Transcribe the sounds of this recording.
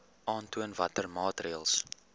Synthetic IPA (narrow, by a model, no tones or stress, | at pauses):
ʔɑːntuənvɐtərmɑːtriəlˠs